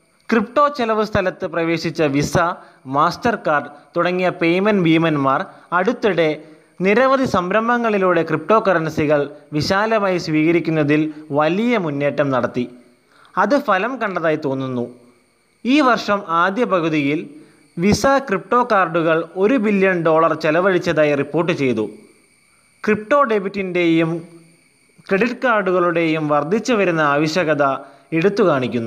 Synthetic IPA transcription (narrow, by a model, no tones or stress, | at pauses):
kripʈo̞ːt͡ɕelɐʋɨst̪ʰɐlɐt̪ːɨprɐʋe̞ːɕit͡ɕːɐʋisɐ | maːstɐrkaːrɖt̪uɽɐŋːijɐpejmɐnbiːmɐnmaːr | ɐɽut̪ːuɽe̞ | niɾɐʋɐðisɐmbɾɐmbʱɐŋːɐɭiluːɽe̞krip̚ʈo̞ːkːɐrɐnɐsiɣɐɭʋiɕaːlɐmaːjisʋiːɣɐɾikʲːunːɐðilʋɐlijɐmunːeːʈːɐmnɐɽɐt̪ːi | ɐðɨfɐlɐmkɐɳɖɐðaːjit̪o̞ːnːunːu | iːʋɐrʂɐmaːd̪jɐpɐɣuðijil | ʋisɐkrip̚ʈo̞ːkaːrɖuɣɐɭo̞ɾubilːjɐnɖo̞ːɭɐrt͡ɕelɐʋɐɻit͡ɕːɐðaːjripːo̞ːrʈːɨt͡ɕe̞jt̪u | krip̚ʈo̞ːɖebitːindejum | kreɽiʈːkaːrɖuɣɐɭuɽe̞jumʋɐrd̪ʱit͡ɕːuʋɐɾunːɐaːʋɐɕjɐɣɐðɐ | eɽut̪ːukaːɳikʲːunːu